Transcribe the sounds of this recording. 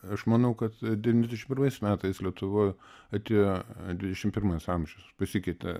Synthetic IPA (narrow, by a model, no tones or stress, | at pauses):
ɐʃmɐnɐʊkɐt̪d̪ʲɛʋʲinʲzʲd̪ʲɛʃʲmpʲɪɾmɐɪsmʲæːt̪ɐɪslʲiɛt̪ʊʋoːj | ɐt̪ʲejod̪ʲʋʲɪdʲɛʃʲɪmpʲɪrmɐɪsɐmʲʒʲɛʊspɐsʲɪkʲɛɪt̪ʲɛ̰